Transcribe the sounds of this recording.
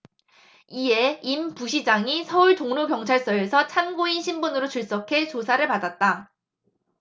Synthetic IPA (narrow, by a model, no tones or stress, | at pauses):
ie̞impuɕʰid͡ʑaŋisʰʌuɭtoŋnokjʌŋt͡ɕʰaɭs͈ʌe̞sʰʌt͡ɕʰanɡoinɕʰimbonɯɾot͡ɕuɭs͈ʌkʰe̞t͡ɕosʰaɾɯɭpadat̚t͈a